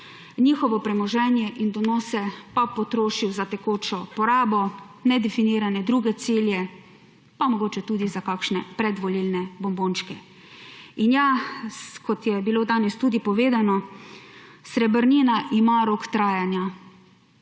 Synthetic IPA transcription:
niːxɔʋɔpɾɛmɔʒɛnjɛʔind̪ɔnɔːsɛpapɔt̪ɾoːʃiwzat̪ɛkoːt͡ʃɔpɔɾaːbɔ | nɛd̪ɛfiniːɾanɛd̪ɾuːɡɛt̪siljɛ | pamɔɡoːt͡ʃɛt̪uːd̪izakakʃnɛpɾɛd̪ʋɔlilnɛbɔmboːnʃkɛ | injaskɔt̪jɛbiloːd̪aːnɛst̪uːd̪ipɔʋeːd̪anɔ | sɾɛbəɾninaʔimaɾokt̪ɾaːjanja

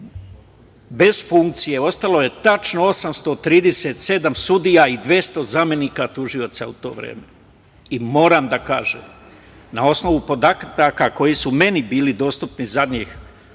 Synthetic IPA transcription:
be̞z̥fuŋk̚t̪sije̞o̞st̪alo̞je̞t̪at͡ʃno̞o̞samst̪o̞t̪ɾiːd̪e̞set̪se̞d̪amsud̪ijaid̪ʋje̞st̪o̞zame̞niːkat̪uʒio̞t̪sa̰ut̪o̞̰ːʋɾḛːme | imo̞ːɾamd̪aka̰ːʒḛːm | nao̞sno̞ʋupo̞d̪akɾd̪akako̞jisume̞nibiːlid̪o̞ːst̪upnizad̪ɲiːx

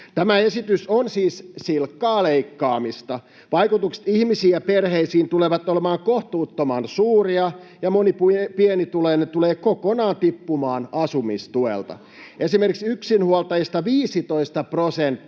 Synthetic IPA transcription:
t̪æmæe̞sit̪ysonsiːssilkːɑːleikːɑːmist̪ɑ | ʋɑjkut̪ukse̥t̪ihmisiːæperheisiːnt̪uleʋɑt̪ːolemɑːŋkoht̪uːt̪ːomɑnsuːriɑjɑmonippienit̪uleːnet̪uleːkokonɑːnt̪ipːumɑːnɑsumist̪uḛlt̪ɑ̰ | esimerkiksyksinhuolt̪ɑjist̪ɑʋiːsit̪oist̪ɑprosent̪ː

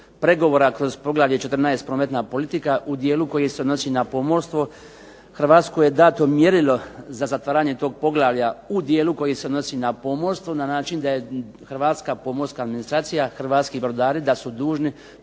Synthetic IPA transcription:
pɾe̞ɡo̞ʋo̞ːɾakɾo̞zpo̞ɡlˠaːʋljet͡ʃe̞t̪ɾrnaest̪pɾoːme̞t̪naːpo̞lit̪ikaʔud̪je̞ːluko̞jiseod̪no̞siːnapo̞moɾst̪ʋo | xr̩ʋaːt̪skoje̞d̪aːt̪o̞mje̞ɾilo̞zazat̪ʋaːɾaːɲe̞t̪o̞ːɡ̚po̞ɡlˠaʋjaud̪jeːluko̞jiseod̪no̞siːnapo̞moɾst̪ʋonanaːt͡ʃind̪aje̞ | xrʋaːt̪skapo̞moɾskaːd̪minist̪ɾaːt̪sijaxr̩ʋaːt̪skibɾod̪aːɾid̪asud̪uːʒni

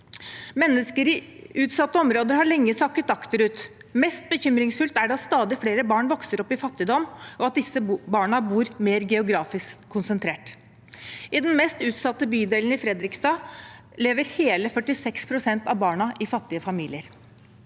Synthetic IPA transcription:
mɛnːəskəɾɪʉːt̪sɑt̪ːəɔmɾoːd̪əɾhɑɭɛŋːəsɑkːət̪ɑkt̪əɾʉːt̪ | mɛst̪̚bəçʏmɾɪŋsfʉlt̪æɖɑst̪ɑːd̪ɪfleːɾəbɑːɳʋɔksəɾɔpːɪfɑt̪ːɪd̪ɔmʔɔɑt̪̚d̪ɪsːəbɑːɳəbuːɾmeːɾɡɛʊɡɾɑːfɪsʰːʊnsənt̪ʰɾeːʈ | ɪd̪ɛnmɛst̪ʉːt̪sɑt̪ːəbyːd̪eːlən̩ɪfɾɛd̪ɾɪkst̪ɑː | leːʋəɾheːləfœʈɪsɛkspʰɾʊsɛnt̪ɑʋbɑːɳɑʔɪfɑt̪ːɪəfɑmiːlɪəɾ

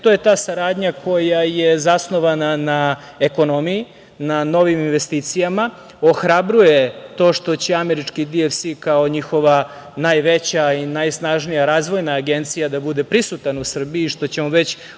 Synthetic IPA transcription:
t̪oje̞t̪aːsaɾaːd̪ɲakʰo̞jajezasno̞ʋanana | eko̞no̞miji | nano̞ʋiminʋest̪iːt̪sijama | oxɾabɾujet̪o̞ːʃt̪o̞t͡ɕe̞ame̞ɾit͡ʂkid̪iefsikao̞ɲixo̞ʋa | naːjʋe̞t͡ɕainajsnaʒnijaɾaːzʋo̞jnaːɡe̞nt̪sijad̪abud̪e̞pɾisut̪anusr̩biiːʃt̪o̞t͡ɕemoʋe̞t͡ɕ

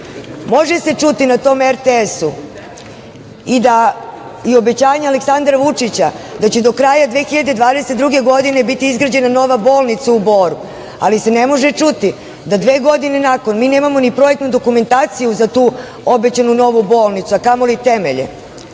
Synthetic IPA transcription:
mo̞ʒese̞t͡ʂut̪inat̪o̞ːmeɾt̪eesu | id̪a | io̞be̞t͡ɕaːɲealeksand̪ɾaʋut͡ʂit͡ɕad̪at͡ɕed̪o̞kɾaːjad̪ʋeːxiʎad̪ed̪ʋaːd̪eset̪d̪ɾuɡe̞ɡo̞d̪ine̞bit̪iizɡɾad͡ʑe̞nano̞ʋaboːlˠnit̪saubo̞ːɾu | a̰lise̞nemo̞ʒet͡ʂut̪i | d̪ad̪ʋe̞ːɡo̞d̪ine̞nako̞nmiːne̞ːmamo̞nipɾo̞jek̚t̪nud̪o̞kume̞nt̪aːt̪sijuzat̪uː | o̞bet͡ɕanuno̞ʋubo̞ːlnit̪suakamo̞lit̪emeʎḛ

